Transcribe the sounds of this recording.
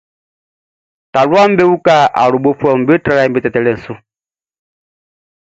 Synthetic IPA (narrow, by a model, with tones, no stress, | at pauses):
ta˨lwa˦m̩˦be˦wu˦ka˦˨ʔa̰˨ɾu˨bo˦pwɔ˦˨m̩˨be˦tɾa˦la˦˨m˦bi˦tɛ˨tɛ˨lɛ˦˨n̩˨su˦